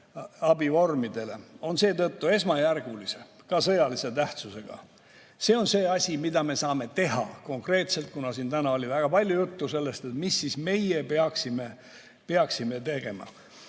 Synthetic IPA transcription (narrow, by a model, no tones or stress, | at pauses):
ɑbivo̞rmid̪̥e̞le̞o̞nse̞ːt̪ɤt̪ːue̞smɑjærɡ̥ulise̞ | kɑsɤjɑlise̞t̪æht̪suse̞ɡ̥ɑ̰ | se̞ːo̞nse̞ːɑsʲimid̪ɑme̞sɑːme̞t̪e̞ɦɑ̰ko̞ŋkre̞ːt̪se̞lt̪̚kunɑsiːnt̪ænɑo̞lʲivæɡ̥ɑpɑlʲjujut̪ːuse̞lːe̞st̪et̪misːisme̞jepeɑksime̞ | peɑksime̞t̪e̞ɡ̥e̞mɑ̰